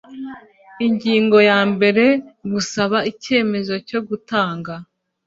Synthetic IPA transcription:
iɲɟiːŋɡo̞jaːmbe̞ɾe̞ɡusaβaice̞ːme̞zo̞co̞ɡutaːŋɡa

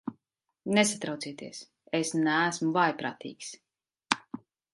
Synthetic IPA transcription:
nesat̪ɾawt̪siɛt̪iɛs | esnæːsmuvajpɾa̰ːt̪ḭːks

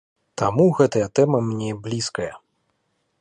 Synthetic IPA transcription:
t̪amuɣɛt̪ɐjɐt̪ɛmɐmnʲeblʲiskɐjɐ

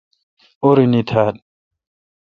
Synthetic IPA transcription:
oɾinit̪ʰad̪̚

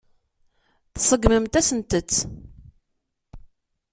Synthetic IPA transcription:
θsˤəɡməmt̪æsənt̪ət͡sː

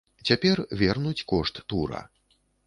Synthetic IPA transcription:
t͡sʲapʲɛrvʲɛrnut͡sʲkɔʂt̪ːuɾɐ̰

